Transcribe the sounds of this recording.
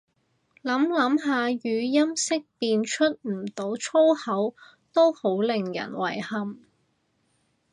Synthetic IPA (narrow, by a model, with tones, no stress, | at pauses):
lɐ˨˥mlɐ˨˥mɦaː˨jyː˨˧jɐ˥msɪ˥k̚piː˧nt͡ʃʰɵ˥t̚m̩˨˩t̪o˨˥wt͡ʃʰo˥whɐ˨˥w | t̪o˥who˨˥wlɪ˨ŋjɐ̰˨˩nwɐ̰˨˩jhɐ˨m